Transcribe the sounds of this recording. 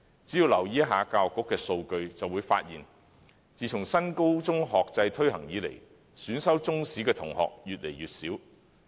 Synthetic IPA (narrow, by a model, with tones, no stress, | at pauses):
t͡si˨˥jiː˧wlɐ˨˩wjiː˨˥ɦaː˨˧kaː˧wkːʊ˥kːɛː˧so˧wkɵ˧ɥt͡sɐ˨wu˨˧jfa̰ː˧t̚jiː˨˩n | t͡siː˨t͡ʃʰʊ˨˩ŋsɐ˥nko˥wt͡sʊ˥ŋɦɔː˨k̚t͡sɐ˧jt̪ʰɵ˥ɥhɐ˨˩ŋjiː˨˧lḛ˨˩j | syː˨˥nsɐ˥wt͡sʊ˥ŋsiː˨˥kɛː˧t̪ʰʊ˨˩ŋhɔ̰ː˨k̚jyː˨t̚lḛ˨˩jɥyː˨t̚siː˨˥w